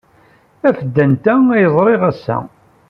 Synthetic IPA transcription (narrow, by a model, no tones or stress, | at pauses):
æfəd̪ːənt̪ææjəzˤɾˤɪʁæsːæ̰